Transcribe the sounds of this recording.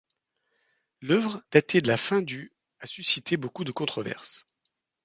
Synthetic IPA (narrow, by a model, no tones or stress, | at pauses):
lœvʁəd̪̥at̪ʰed̪əlafɛ̃d̪y | asysit̪ʰebokud̪əkɔ̃t̪χɔvɛ̰ʁs